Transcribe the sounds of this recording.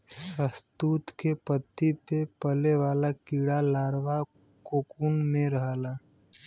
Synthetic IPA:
səst̪uːt̪kepət̪ːipepəleʋaːlakiːɽalaːɾʋa | koːkuːnmẽɾəɦlaː

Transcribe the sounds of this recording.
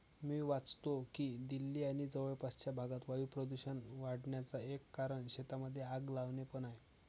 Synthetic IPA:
miːʋat͡st̪okiːd̪ilːiːaɽ̃id͡zəʋəɭpast͡ɕjabʱaɡat̪ʋajupɾəd̪uɕənʋaɽɳjat͡saekːaɾəɳɕet̪aməd̪ʱːjeaɡlaʋnepəɳaj

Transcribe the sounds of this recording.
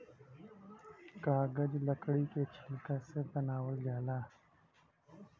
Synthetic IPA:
kaːɡɐd͡ʒlɐkɽiːket͡ʃʰɪlkaːset̪ɐnaːwəld͡ʒaːlaː

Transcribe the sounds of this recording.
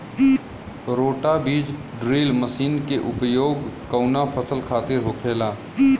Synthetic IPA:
ɾoːʈabiːd͡ʒ | ɖɾiːlməsiːnkeʔʊpjoːɡkəʊnapʰəsəlkʰaːt̪ɪɾɦoːkʰeːlaː

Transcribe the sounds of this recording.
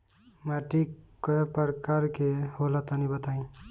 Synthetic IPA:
məʈikɔpəɾkaɾkeholət̪anibət̪aĩ

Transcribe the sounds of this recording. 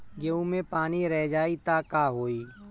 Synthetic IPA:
ɡeːũːmẽːpaːniːɾɛːd͡ʒaːiːt̪aːkaːɦoːiː

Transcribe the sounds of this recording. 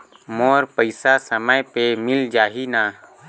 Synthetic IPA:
moːɾpəɪsasəməjpemɪld͡ʒaːɦinaː

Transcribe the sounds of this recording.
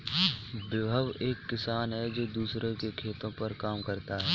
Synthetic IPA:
bɪbʱəʋeːkːɪsaːnɦɛd͡ʒoːd̪uːsɾẽkekʰeːt̪õpɐɾkaːmkɐɾt̪aɦɛː

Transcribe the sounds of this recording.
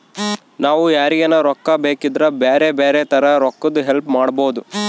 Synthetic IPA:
naːʋujaːɾiɡɐnɐɾɔkːɐbeːkid̪ɾɐbeːɾebeːɾet̪ʰɐɾɐɾɔkːɐd̪uɦelpmaːɽbo̞ːd̪u

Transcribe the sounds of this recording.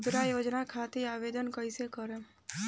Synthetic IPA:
d̪ɾaːjoːd͡ʒnakʰaːt̪iaːʋeːd̪ənkəɪsekəɾe

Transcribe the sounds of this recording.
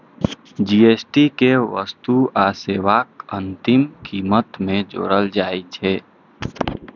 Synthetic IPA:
d͡ʒiesʈikeʋə̰st̪uaseːʋaːkə̃nt̪ɪmkiːmət̪mẽd͡ʒo̰ːɾəld͡ʒaːit͡ʃʰeː

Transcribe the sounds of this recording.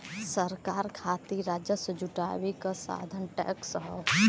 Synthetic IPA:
səɾkaːɾkʰaːt̪iɾaːd͡ʒjəsəd͡ʒʊʈa̰ːʋikasa̰ːd̪ʱənʈɛ̰ːksəɦə

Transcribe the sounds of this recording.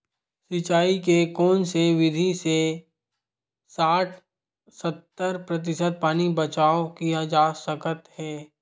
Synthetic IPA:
sɪt͡ʃaːikekɔːnseʋɪd̪ʱise | saːʈʰ | sət̪ːəɾpɾɐt̪̬ɪsəd̪̚paːnibət͡ʃaːokijad͡ʒaːsəkət̪hɛː

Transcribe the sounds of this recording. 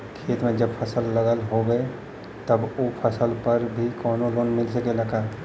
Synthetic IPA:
kʰeːt̪mẽd͡ʒəbpʰəsəlːəɡəlɦoɡəe | t̪əboːpʰəsəlpɐɾbʱikɔːnoloːnmɪlsəkeləkaː

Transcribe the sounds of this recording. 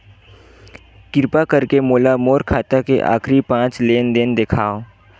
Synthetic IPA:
kɪɾpakɐɾkemoːlamoːɾkʰaːt̪akḛʔa̰ːkʰɾipãːt͡ʃleːnd̪end̪ekʰaːo

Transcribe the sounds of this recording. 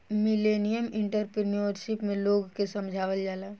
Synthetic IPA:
mɪleːnijəmɪ̃ɳʈəɾpɾeniəɾʃɪpmẽloːɡkesə̃md͡ʒʱaːʋəld͡ʒaːlaː

